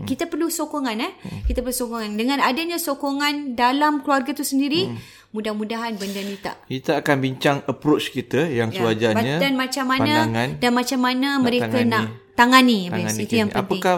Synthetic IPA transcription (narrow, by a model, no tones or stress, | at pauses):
kit̪apərlusokɔŋãnɛkit̪apərlusokɔŋandəŋãnadaɲãsokoŋãndalamkluarɡat̪usəndiɾi | mũdahmũdaɦanbəndanit̪a̰ʔkit̪əakanbiɲt͡ʃaŋəpɾot͡ʃkit̪əjaŋkluad͡ʒabaɲadanmat͡ʃamːanãŋandanmãt͡ʃamːanamə̃ɾekanaʔt̪aŋaniabait̪ujaŋpənpaɪŋka